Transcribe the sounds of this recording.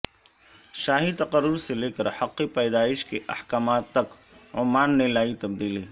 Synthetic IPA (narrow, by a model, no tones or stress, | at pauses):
ʃaːɦit̪ɐqəɾːʊɾseleːkəɾhɐqːipɛːd̪aːɪʃkeʔɐ̰hkaːmaːt̪ːɐk | ʊ̰maːnːelaːit̪ɐbd̪iːliː